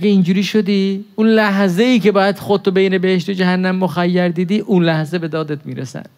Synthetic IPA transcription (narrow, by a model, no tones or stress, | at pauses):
ɡeind͡ʒuːɾiːʃo̞d̪iːunlæɦze̞iːce̞bɒːjæd̪̥xod̪̚t̪ʰːobejne̞beheʃt̪od͡ʒæhænːæmːoxæjːæɾd̪iːd̪iːʔunlæhze̞be̞d̪ɒːd̪et̪ʰmiːɾesæ̰n̥